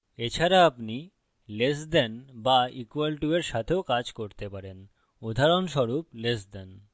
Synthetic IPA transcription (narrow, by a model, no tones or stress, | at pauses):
et͡ɕʰaɾaapni | lesd̪ɛnbaikwalʈueɾʃat̪ʰeokad͡ʑkoɾt̪epaɾen | od̪ʱaɾonʃɔɾuplesd̪ɛn